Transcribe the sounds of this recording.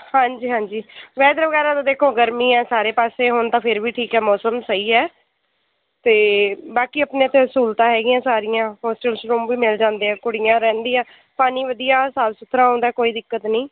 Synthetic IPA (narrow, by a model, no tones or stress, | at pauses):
hãːɲd͡ʒiːɦãːɲd͡ʒiːʋɛːd̪ɾʋəɡɛːɾaːt̪ãːd̪eːkʰoːɡəɾmiːɛːsaːɾeːpaːseːɦʊnt̪ãːpʰɪɾʋiːʈʰiːkɦɛːmɔːsəmsəiːɛː | t̪eːbaːkiːəpneːət̪ʰeːɦsuːlt̪ãːɦɛːɡiːãːsaːɾɪjãːɦɔːsʈɛːlsɾoːmʋiːmɪld͡ʒãːnd̪eːɛ̃ːkʊɽɪjãːɾɛ̃ːnd̪iːãː | paːniːʋəd̪ijaːsaːlsʊt̪ʰːɾaːõːnd̪aːkoːiːd̪ɪkːət̪nĩː